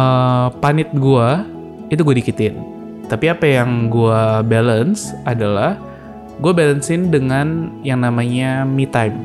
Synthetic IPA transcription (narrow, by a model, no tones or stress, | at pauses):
əpanɪt̪̚ɡua | it̪̬uɡuadikit̪ɪn | t̪apiapajaŋɡuabalənsʔadalah | ɡuabalənsɪndəŋanjaŋnamaɲamit̪ajm